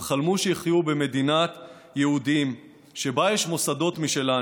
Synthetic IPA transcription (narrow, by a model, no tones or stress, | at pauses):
χalmuʃeiχjube̞me̞d̪inat̪ | jehud̪im | ʃe̞bajeʃmo̞sad̪o̞t̪miʃe̞la